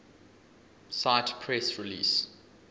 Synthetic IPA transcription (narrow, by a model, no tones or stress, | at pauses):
saɪtpʰɹɛsɹilḭːs